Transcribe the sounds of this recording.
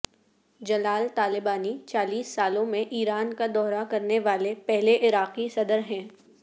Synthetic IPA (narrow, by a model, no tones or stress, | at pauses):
d͡ʒɐlaːlt̪aːlɪbaːnit͡ʃaːliːsːaːlõmẽʔiːɾaːnkad̪ɔːɾakɐɾneʋaːlepɛɦleʔɪɾaːqisɐd̪əɾɦɛ̃ː